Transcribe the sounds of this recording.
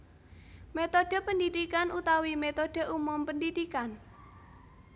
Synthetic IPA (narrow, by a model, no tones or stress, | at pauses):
met̪oɖ̥ə̤pəndidikanʔut̪awimet̪od̥ə̤ʔumʊmpəndidikan